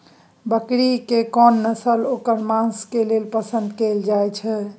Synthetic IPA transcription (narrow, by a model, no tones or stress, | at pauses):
bəkɾikekɔnːəsəlokəɾmãskelelpəsənd̪keld͡ʒajt͡ʃʰɛ